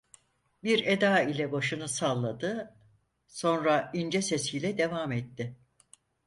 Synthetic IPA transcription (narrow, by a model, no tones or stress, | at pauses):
biɾe̞d̪aːilʲɛbaʃɯnɯsalˠːad̪ɯ | so̞nɾaind͡ʒɛsesijlʲɛd̪e̞vaːmɛt̪ːɪ